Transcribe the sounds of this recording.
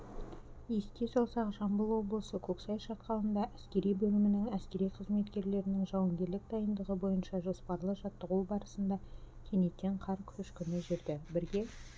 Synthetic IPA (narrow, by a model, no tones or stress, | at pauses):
jesk̪ʲesɑlˠsɑqʒɑmbəlˠwo̞blˠəsəkʲʰɵksɑjʃɑt̪qɑlˠənd̪ɑʔæskʲe̞ɾijbɵlɪmɪnɪŋæskʲe̞ɾijqʰəzme̞t̪kʲe̞ɾle̞ɾɪnɪŋʒɑwəŋɡʲe̞ɾlɪk̚d̪ɑjənd̪əʁəbo̞jənʃɑʒo̞spɑɾlˠəʒɑt̪ːəʁubɑɾəsənd̪ɑ | kʲʰe̞ne̞t̪ːe̞ɴqʰɑɾkʲʰʏʃkʲʏnɪʒɪɾd̪ɪbɪɾɡʲe̞